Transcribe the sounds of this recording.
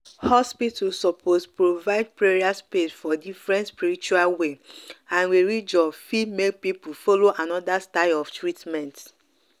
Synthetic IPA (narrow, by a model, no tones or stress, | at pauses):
hɔspitʰusɔpʰospɹovaɪd̚pɹeɹiaspesfɔdifɹɛ̃ntspiɹit͡ʃualweãnwiɹid͡ʒɔfimek̚pipufɔloʔanɔdastaɪlɔftɹitmɛ̃nt